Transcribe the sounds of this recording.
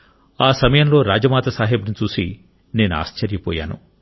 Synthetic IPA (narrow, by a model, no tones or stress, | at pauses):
aːsɐmɐjɐmlo̞ːɾaːd͡ʒɐmaːt̪ɐsaːɦebnit͡ʃuːsi | ne̞ːnua̰ːʃt͡ʃɐɾjɐpɔ̰ːja̰ːnṵ